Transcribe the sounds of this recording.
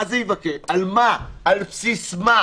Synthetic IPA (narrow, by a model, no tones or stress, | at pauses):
azɛjivakealmaalpsisma